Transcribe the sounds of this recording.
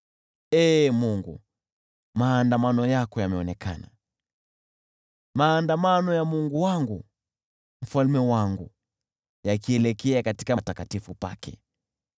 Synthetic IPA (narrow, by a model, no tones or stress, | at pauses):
ɛːmuŋɡṵ | maːndamanɔjakɔjamɛɔnɛkʰa̰na | maːndamanɔjamuŋɡuwaŋɡu | m̩falmɛwaŋɡu | jakiɛlɛkɛakati̥katakatifupa̰kʰɛ̰